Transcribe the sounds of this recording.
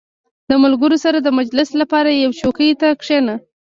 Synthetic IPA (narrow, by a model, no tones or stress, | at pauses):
d̪əmalɡəɾosaɾad̪əmad͡ʒlɪslapɑɾajawt͡ʃokəjt̪akʂena